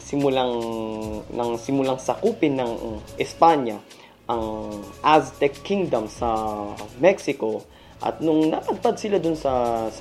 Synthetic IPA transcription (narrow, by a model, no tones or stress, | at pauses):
sɪmʊlaŋ | nɐŋsɪmʊlaŋsɐkupɪnːɐŋʔɪspaɲjɐ | ʔɐŋʔast̪ɛkːiŋd̪ɐmsɐmɛksɪko̞ | ʔɐ̰t̪̚nʊŋnɐ̰t̪ɐd̪̚pad̪̚sɪlad̪ʊnsɐs